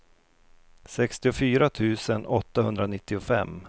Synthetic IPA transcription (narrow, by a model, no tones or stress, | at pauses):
sɛkst̪ɪʊfyːɾat̪ʰʉ̟ːsənɔt̪ːahɵnd̪ɾanɪt̪ʰːɪʊfɛ̰mː